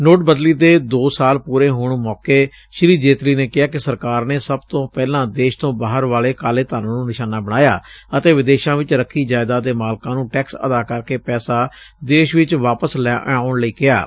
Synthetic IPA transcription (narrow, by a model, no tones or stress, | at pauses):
noːʈ̚bəd̪liːd̪eːd̪oːsaːlpuːɾeːɦoːɳmɔːkeː | ʃɪɾiːd͡ʒeːt̪liːneːkɪaːk̬ɪsəɾkaːɾneːsəbt̪õːpɛːlãːd̪eːʃt̪õːbaːɦəɾʋaːleːkaːleːt̪aːnõːnũːnɪʃaːnaːbəɽ̃aːja̰ːət̪eːʋɪd̪eːʃãːʋɪt͡ʃɾəkʰːiːd͡ʒaːɪd̪aːd̪eːmaːlkãːnũːʈɛːksə̰d̪aːkəɾkeːpɛːsaː | d̪eːʃʋɪt͡ʃʋaːpəslɛːaːʊɳləiːkɪja̰ː